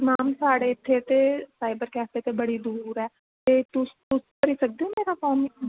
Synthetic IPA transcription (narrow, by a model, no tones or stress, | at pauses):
naːmsaːɽeːɪt̪ʰːeːt̪eːsaːɪbəɾkɛːpeːt̪eːbəɽiːd̪uːɾɛː | t̪eːt̪ʊst̪ʊskəɾiːsək̚d̪eõːmeːɾaːkɔːm